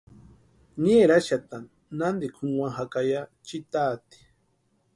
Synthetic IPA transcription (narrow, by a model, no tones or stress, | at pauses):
neɾaʃat̪a | nand̪ikʰuwaɦakajat͡ʃit̪at̪i̥